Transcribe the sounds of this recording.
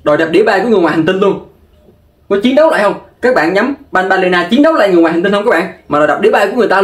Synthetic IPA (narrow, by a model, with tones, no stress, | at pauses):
ɗo˨˩jɗa˨˩ɗi˧˦əɓaː˧˩jku˧˦ŋ˨˩əjwaː˨˩hŋt̪i˧nlu˧ən | kɔ˨˦t͡ɕi˨˦nɗə˨˦wla̰˧˨jhə˧wŋ͡mkaː˦˥k̚ɓa̰ː˧˨nɲa˨˦mɓa˧nɓaː˧le˧naː˧t͡ɕi˨˦nɗə˨˦wla̰ː˧˨jŋɨ˨˩ŋwːhŋi˧nhə˧ŋ͡mk̚ːɓ̰aː˧˨nmaː˨˩ɗɔ˨˩jɗa˨˩p̚ɗi˧˦ɓaː˧jku˧˦ŋɨ˨˩jt̪aː˧